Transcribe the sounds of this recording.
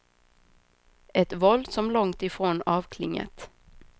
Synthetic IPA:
ɛt̪vɔld̪sɔmlɔŋt̪ɪfɾoːnɑːvkʰlɪŋːə̰t̪

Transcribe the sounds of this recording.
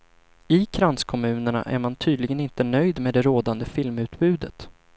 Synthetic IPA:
ɪkʰɾanskʰɔmʉ̟ːnəɳa̰ʔæ̰ɾmant̪ʰyːd̪lɪɡənɪnt̪ənœjd̪meːd̪ɛɾoːd̪and̪əfɪlmʉ̟ːt̪bʉ̟ːd̪ət̪

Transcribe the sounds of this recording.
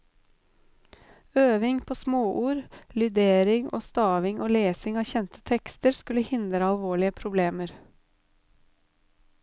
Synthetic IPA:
øːʋɪŋpʰoːsmoːʔuːɾlʏd̪eːɾɪŋo̰ːst̪ɑːʋɪŋʔoːleːsɪŋɑːçɛnt̪ə̥t̪ʰɛkst̪əɾskʉləhɪnd̪ɾəɑlʋoːɭɪəpʰɾʊbleːməɾ

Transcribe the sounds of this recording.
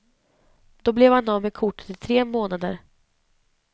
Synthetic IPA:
d̪̥ɔblɛvhand̪ɔmɛkʰʊʈːə̥t̪ɪt̪ʰɾeːmoːnad̪ə̰ɾ

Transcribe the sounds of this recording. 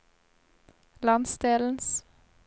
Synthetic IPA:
lɑnsd̪eːln̩s

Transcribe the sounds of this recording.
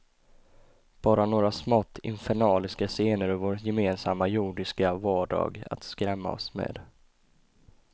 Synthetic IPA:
b̥ɑːɾanoːɾasmɔt̪ʰːɪ̰nfɛɳɑːlɪskaseːnəɾœvoːɾjɛmeːnsamːajuːɖɪskavɑːɖɑ̰ːɡa̰t̪skɾɛmːa̰ɔ̰smḛːd̪

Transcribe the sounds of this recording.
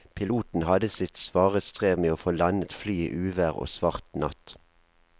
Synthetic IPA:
pʰɪluːt̪n̩hɑd̪əsɪt̪sʋɑːʁəst̪ʁeːʋmeːoːfoːlɑnət̪flyːḭːʔʉːʋæʁo̰ːsʋɑʁt̪nɑ̰t̪

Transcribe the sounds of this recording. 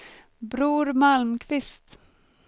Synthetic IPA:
bɾuːɾmalmkʰvɪst̪

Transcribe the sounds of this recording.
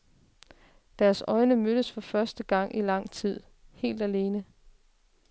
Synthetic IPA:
d̥æːɐsɒ̽ɪnəmøɾ̥əsfɒ̽fɶɐsd̥əɡ̥ɑ̈ŋ̰ʔilɑ̈ŋ̰t͡sʰið̰ˠ | he̝̰ːld̥æle̝ːnə

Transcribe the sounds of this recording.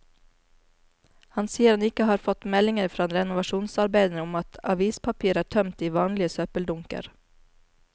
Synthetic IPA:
hɑnsiːəɾɑnɪkəhɑːɾfɔt̪mɛlɪŋəɾfɾɑːnɾɛnʊʋɑʃuːnsɑɾbeɪd̪nəʊmɑt̪ʰɑʋiːspʰɑpʰiːəɾæːʈʰœmt̪iːʋɑːnlɪəsœːpəld̪ʊŋkə̰ɾ

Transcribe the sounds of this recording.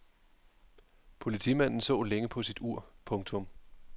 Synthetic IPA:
pʰo̝lit͡sʰḭmæn̰n̩sɔ̰̽ːleŋəpʰɒ̽sid̥uɐ̰pʰɔ̽ŋt͡sʰɔ̽m

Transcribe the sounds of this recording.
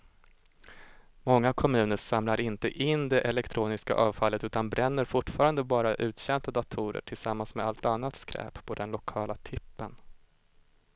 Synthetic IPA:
mɔŋːakʰɔmʉ̟ːnəʂamlaɾɪnt̪əʔɪnːd̪ɛʔɛlɛkt̪ʰɾuːnɪska̰ʔɑːvfalːət̪ʉ̟ːt̪anbɾɛnːəɾfʊʈːfɑːɾand̪əbɑːɾaʔʉ̟ːt̪ɕɛnt̪ad̪at̪ʰʊːɾə̰ʈʰɪlsamːansmɛd̪alt̪anːat̪skɾɛ̰ːppʰɔd̪ɛnlʊkʰɑːlat̪ʰɪpːən

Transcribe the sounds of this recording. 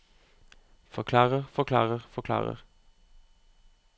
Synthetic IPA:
fɔʁkʰlɑːʁəʁfɔʁkʰlɑ̰ːʁəʁfɔʁkʰlɑ̰ːʁə̰ʁ

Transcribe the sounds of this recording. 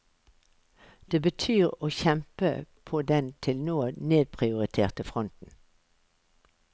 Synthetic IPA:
d̪̥eːbət̪ʰyːʁoːçɛmpə̰pʰoːd̪ɛnt̪ʰɪlnoːneːd̪̚pʰʁɪʊʁɪt̪ʰeːʁt̪əfʁɔnt̪n̩

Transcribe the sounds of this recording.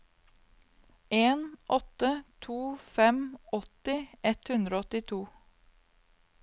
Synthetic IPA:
ʔeːnʔɔt̪ət̪ʰuːfɛmɔt̪ɪɛt̪hʉnd̪ɾoːɔt̪ɪt̪ʰuː

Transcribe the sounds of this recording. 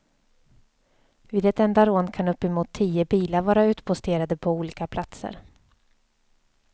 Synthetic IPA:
viːd̪ɛt̪ɛnd̪aɾoːnkʰanɵpːɛmuːt̪ʰːiːəbiːlaɾvɑːɾaʉ̟ːt̪pʰʊst̪ʰeːɾad̪əpʰɔuːliːkapʰlat̪sə̰ɾ

